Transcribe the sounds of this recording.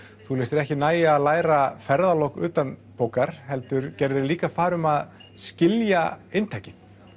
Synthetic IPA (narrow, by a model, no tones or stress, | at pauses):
θulejst̪ɪɾɛhcɪnaːjaːðlaːjɾafɛɾðalowhkʏ̰ːt̪anpoːwkaɾ̥hɛlt̪ʏɾcɛɾðɪɾliːkafaːɾʏmaðscɪljaejnt̪ʰajcɪð̥